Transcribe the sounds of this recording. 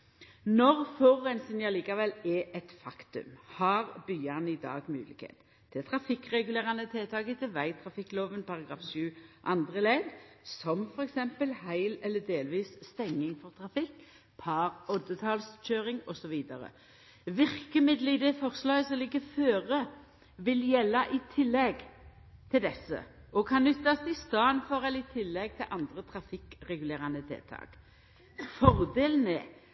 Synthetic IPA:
nɔʁfɔʁɛnsɪnjɑliːkɑʋɛlɛʔɛt̪fɑkt̪ʉ̰mhɑɾbyːɑnɪd̪ɑ̰ːɡmʉ̰ːlɪ̰khḛːt̪ʰː | ɪlt̪ʰɾɑfɪkʁɛɡʉleːʁɑnət̪ʰeːt̪ʰɑːɡət̪ʰɪʋæɪt̪ʰɾɑfɪkːloːʋənpɑʁɑɡʁɑ̰ːfsʉːʔɑnd̪ʁəleːd̪sɔmfɔɾɛksɛmpəlhæɪlɛlːəd̪eːlʋiːsst̪ɛŋːɪŋfɔʁt̪ʰʁɑfɪkː | pʰɑːʁɔd̪ət̪ʰɑːlsc͡çøːʁɪŋɔsɔʋiːd̪ɑɾə̰ | ʋɪʁkəmɪd̪ləɪd̪ɛfɔʁslœsəlɪɡəføːʁə | ʋɪljɛlːɑʔɪt̪ʰɪlːɛɡ | t̪ʰɪld̪ɛsːə̰ɔkʰɑnnːʏt̪ːɑst̪ɪst̪ɑnfɔʁɛləɪt̪ʰɪlːɛɡ̚t̪ʰɪlʔɑnd̪ʁət̪ʰɾɑfɪkʁɛɡʉleːʁɑnət̪ʰḛːt̪ʰɑ̰ːk | fɔʁd̪eːlən̩ɛː

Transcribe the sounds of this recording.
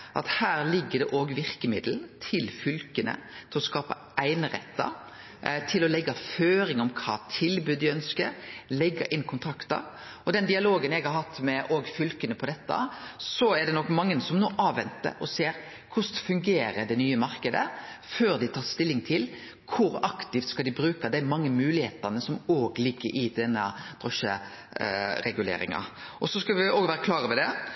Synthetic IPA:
ʔɑ̰t̪hæːɾlɪɡːəɖ̪ɛʔoːɡʋɪɾkəmɪd̪lnt̪ʰɪlfʏlkənə̰t̪ʰɪlɔskɑːpɑ | æɪnəɾɛ̰t̪ːɑ̰ | t̪ʰɪlɔlɛɡːɑføːɾɪŋɔmkʰɑ̰ːt̪ʰɪlbʉːd̪ːɪœnskəɾlɛɡːɑ̰ʔɪnːkʰʊnt̪ʰɾɑkt̪ɑ̰ | ɔd̪ɛnd̪ɪɑloːɡənɛɡhɑɾhɑt̪ːmɛʔoːɡfʏlkənəpʰɔd̪ɛt̪ːɑ̰sɔɛɖɛnɔkːmɑŋːənəsɔmnoːʔɑːʋɛnt̪ːə̰ɾɔseːɾ | kʰʊst̪fʉŋɡeːɾəɖ̪ɛnyːəmɑɾkəd̪ə̰føːɾd̪ɪt̪ʰɑːɾst̪ɪlːɪŋt̪ʰɪl | kʰʊɾɑkt̪ɪft̪skɑld̪ɪbɾʉːkɑd̪ɛæɾmɑŋːəmʉːlɪhḛːt̪ɑnəsɔmoːɡlɪɡːəɾʔɪd̪ɛnːəd̪̥ɾɔʂə̰ | ɾɛɡʉlḛːɾɪ̰ŋɑ̰ʔɔsɔskɑʋɪoːɡʋæːɾəkʰlɑːɾəʋɛd̪ɛ

